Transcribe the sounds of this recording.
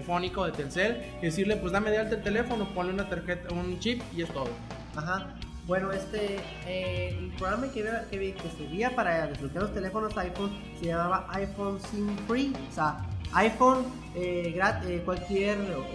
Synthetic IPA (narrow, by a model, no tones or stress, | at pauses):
fo̞niko̞ðet̪elsel | ðes̬iɾle̞pwe̞zd̪ameðealt̪elt̪e̞le̞fo̞nopo̞nleunat̪aɾxet̪aunt͡ʃip̚ie̞st̪o̞ðo | axa | bwe̞no̞est̪e | eelpɾoɣɾamakeakeβkeseβiapaɾaðeslokaɾlo̞st̪e̞le̞fo̞nosajfons | se̞ʝamaβaʔajfonsimfɾiosaajfon | eɡɾat̪̚ekwalkjeɾ